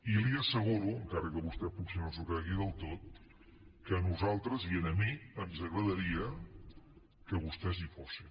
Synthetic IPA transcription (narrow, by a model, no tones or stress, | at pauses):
iliəsəɣ̞uɾuəŋkaɾəkəβust̪ɛpuksinonzukaɣiðəlˠt̪ot̪̚ | kəːnuzalˠt̪ɾəziənəmiənzəɣɾəðəɾiə | kəβust̪ɛzifosi